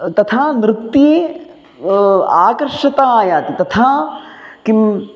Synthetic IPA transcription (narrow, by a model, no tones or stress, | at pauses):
t̪ɐt̪ʰaːnɾɪk̚t̪ie | aːkɐɾʂɐt̪aːjaːt̪it̪ɐt̪ʰaːkim